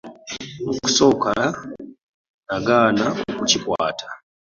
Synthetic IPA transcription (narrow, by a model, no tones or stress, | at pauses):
noku̥soːkala | naɡaːnaokucikwa̰ːtʰḁ